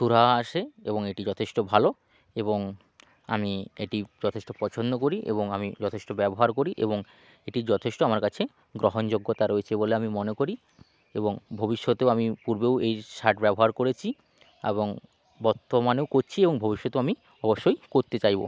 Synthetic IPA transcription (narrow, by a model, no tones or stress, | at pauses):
ʃuɾaaʃeeboŋeʈid͡ʑɔt̪ʰeʃʈobʱalo | eboŋ | a̰miḛʈid͡ʑɔt̪ʰeʃʈopɔt͡ɕʰond̪okoɾiʔḛboŋamid͡ʑɔt̪ʰeʃʈobɛboɦaɾkoɾiʔḛboŋ | eʈid͡ʑɔt̪ʰeʃʈoamaɾkat͡ɕʰe | ɡɾoɦond͡ʑoɡːot̪aɾoet͡ɕʰeboleamimonekoɾi | eboŋbʱobiʃːot̪eamipuɾbewejʃaʈbɛboɦaɾkoɾet͡ɕʰi | ḛβoŋ | bɔɾt̪omanewkoɾt͡ɕʰieboŋbʱobiʃːot̪eoami | ɔboʃːojkoɾt̪et͡ɕajbo̰